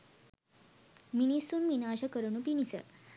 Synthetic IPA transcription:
minisunʋinaːʃɐkəɾunupinisə̰

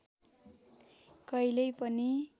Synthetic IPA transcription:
kʌjlʌjpʌni

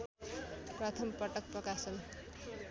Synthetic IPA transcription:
prʌt̪ʰʌmpʌʈʌk̚prʌkasʌn

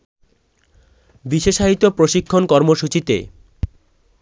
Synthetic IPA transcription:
biʃeʃaɦit̪opɾoʃikʰːonkɔɾmoʃut͡ɕit̪ḛ

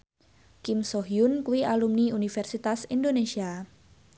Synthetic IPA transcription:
kimsɔɦiunkuwiʔalumniunifɛrsit̪asindonesia

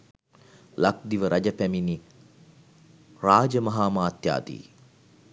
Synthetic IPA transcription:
lak̚d̪iʋəɾʔɐd͡ʒɐpæmini | raːd͡ʒəmɐɦaːmaːt̪ja̰ːd̪ḭː

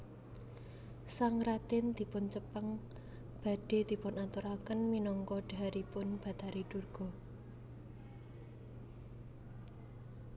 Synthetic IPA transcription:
saŋɾat̪ɪnd̪̥i̤pʊnt͡ʃəpəŋ | b̥a̤ɖ̥e̤d̪̥i̤pʊnat̪uɾakənminɔŋkɔɖ̥a̤ɾipʊnb̥a̤t̪aɾiɖ̥urɡ̥ɔ̤

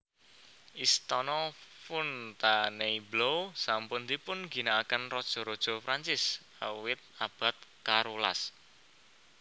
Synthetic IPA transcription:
ʔist̪ɔnɔfʊnt̪aneiblowsampʊnt̪ipʊnɡinaakənrɔd̥ʒ̥ɔ̤ɾɔd̥ʒ̥ɔ̤fɾaɲt͡ʃɪs | a̰wɪt̪̚ab̥a̤t̪̚kaɾula̰s

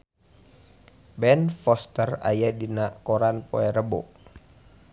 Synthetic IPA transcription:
bɛnfɔst̪əra̰jadinaʔkɔɾanpo̰ɛɾəbɔ̰ʔ

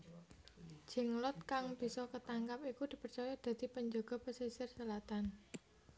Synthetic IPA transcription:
d͡ʒ̥ɛ̤ŋlɔt̪̚kaŋb̥i̤sɔkət̪aŋkapikud̪̥i̤pərt͡ʃɔjɔd̪̥a̤d̪̥i̤pəɲd͡ʒɔɡ̥ɔ̤pəsisɪrsəlat̪an

